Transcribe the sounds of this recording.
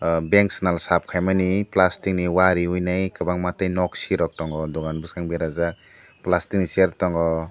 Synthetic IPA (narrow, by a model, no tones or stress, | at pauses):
beŋksnalsap̚kʰajmaniplastik̚niwaɾiujnajkabaŋmatajnɔksiɾɔk̚tɔŋɡɔdɔɡanbɯskaŋbeɾaza | plastik̚niseɾ̚tɔŋɡɔ